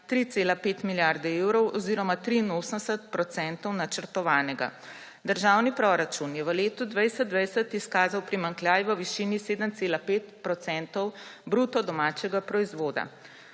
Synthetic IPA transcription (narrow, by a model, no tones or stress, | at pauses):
t̪ɾit̪seːlapeːt̪miljaɾd̪ɛewɾɔwɔziːɾɔmat̪ɾiːnoːsənsət̪̚pɾɔt̪sɛnt̪ɔwnat͡ʃəɾt̪ɔʋaːnɛɡa̰ | d̪əɾʒawnipɾɔɾat͡ʃunjɛʋəleːt̪ud̪ʋəjsət̪d̪ʋəjsət̪iskaːzawpɾimaŋklʲjaːjʋəʋiʃiniseːd̪əmt̪seːlapeːt̪pɾɔt̪sɛnt̪ɔwbɾut̪ɔd̪ɔmaːt͡ʃɛɡapɾɔizʋoːd̪a̰